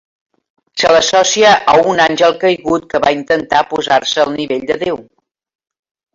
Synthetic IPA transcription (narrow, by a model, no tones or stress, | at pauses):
sələsɔsiəʔəunanʲʒəlˠkəjɣut̪̚kəβaint̪ənt̪apuzarsəːlˠniβeʎʲd̪əðew